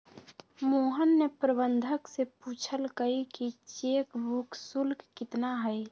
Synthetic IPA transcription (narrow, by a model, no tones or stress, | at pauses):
moːɦənːepɾəbənd̪ʱəksepuːt͡ʃʰəlkəikit͡ʃeːkbuksulkkɪt̪naɦɛj